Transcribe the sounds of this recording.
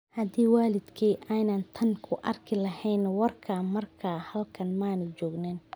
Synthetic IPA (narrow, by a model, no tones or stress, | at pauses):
hɐd̪iːwaːlɪd̪kʰiːʔɛjnɐnt̪ʰɐnkʰʊʔɐ̰rkʰɪlɐhɛjnwɐrkʰaːmɐrkʰaːhɐlkʰɐnmaːnɛd͡ʒɔːɡnɛːn